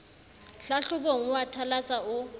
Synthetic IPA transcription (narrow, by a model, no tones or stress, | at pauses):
ɬaɬʊk̬ʼoŋ̩watʰalat͡sʼaʊ